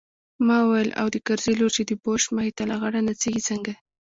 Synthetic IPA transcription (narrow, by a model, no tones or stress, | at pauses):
mɑwajəlʔa̰wd̪əkaɾziloɾt͡ʃed̪əboʃmahit̪alaɣaɽanat͡seɡit͡səŋɡa